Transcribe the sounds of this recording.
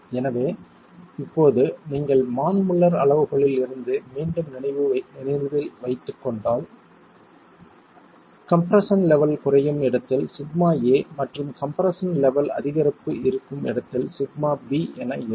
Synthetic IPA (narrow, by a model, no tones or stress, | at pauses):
ɛnɐʋeː | ɪpːoːðɯniːŋɡɐɭmaːnmɯɭːɐɾɐɭɐʋɯɣɐɭɪlɪɾɯnd̪ɯmiːɳɖɯmnɪnɐɪʋɯnɪnɐɪʋɯʋɪlʋɐɪt̪ːɯkːɔɳɖaːl | kɐmpɐɾɐsɐnlɛʋɐlkʊrɐjɯmɪɽɐt̪ːɪlsɪɣmaːeːmɐʈrɯmkɐmpɐɾɐsɐnlɛʋɐlɐ̰ðɪɣɐɾɐpːɯɪɾɯkːɯmɪ̰ɽɐt̪ːɪlsɪɡmaːbiːɛnɐɪ